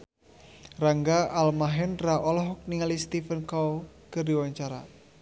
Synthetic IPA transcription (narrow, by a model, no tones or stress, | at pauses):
raŋɡaalmaɦɛnraʔɔlɔɦɔk̚niŋalist̪ifənkawkərdiwaɲt͡ʃaɾa